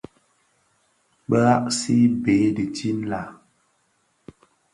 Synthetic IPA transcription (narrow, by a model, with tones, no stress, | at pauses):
bə˦a˦ʔsi˦be˨˦di˨ti˦n˦la˨